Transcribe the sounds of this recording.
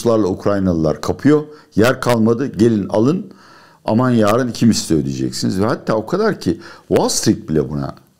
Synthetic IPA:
lˠaɾlˠaukʰɾajnalˠɯlˠa̰ɾkʰapʰɯjo̞ | jæɾkʰalˠmad̪ɯɟe̞lʲina̰lˠɯn | a̰manjaːɾɯnicʰimisi̥søjd̪ʲid͡ʒɛ̰csinizvɛhat̪ʰːaːo̞kʰad̪aɾcʰivalˠst̪ɾik̚bilʲɛ̰buna̰

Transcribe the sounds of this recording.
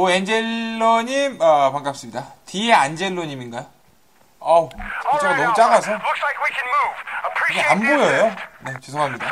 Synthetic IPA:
oend͡ʑe̞lːoɲimʌpaŋɡap̚s͈ɯmɲidatieand͡ʑe̞lːoɲiminɡajo | ʌit͡ɕ͈ʰaɡanʌmut͡ɕ͈aɡas̬ʰʌlʊkslaɪkwikʰɨ̃nmuv̥əpʰɹ̥iɡeambojʌjone̞t͡ɕes̬ʰoŋɦamɲida

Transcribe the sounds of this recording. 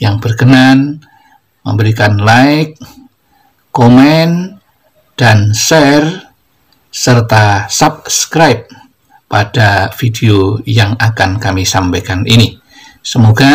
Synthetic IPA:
jaŋbərkənan | mə̰mbəɾikanlaɪk̚ | omɛn | d̥ansɛr | sərt̪asap̚skɾajp̚ː | adafideojaŋakankamisampajkanʔḭni | səmoɡa

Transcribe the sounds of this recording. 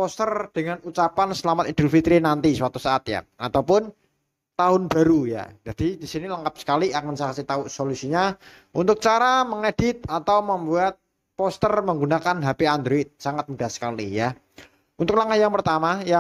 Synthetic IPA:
pɔst̪ərd̥əŋanut͡ʃapansəlamat̪id̥əlfit̪ɾinant̪isəwat̪usaat̪ja̰at̪awpʊn | t̪aɦʊnb̥a̤ɾuja̰d͡ʒ̥ad̥idisiniləŋkap̚sə̥kaliʔakənsakasit̪auʔsolusiɲa | unt̪ʊk̚t͡ʃaɾaməŋed̥ɪt̪̚at̪awməmbuat̪̚ | pɔst̪ərməŋɡunakanɦapiand̪ɾoɪt̪̚saŋat̪̚mudahsə̥kalija | unt̪ʊk̚laŋahjaŋpərt̪amaja

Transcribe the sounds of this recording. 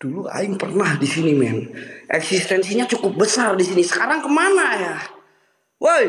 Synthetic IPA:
d̥ulua̰ɪŋpərnahdisinimɛnʔɛksist̪ɛnsiɲat͡ʃukʊp̚bəsardisinisə̥kaɾaŋkəmanaja | wʔo

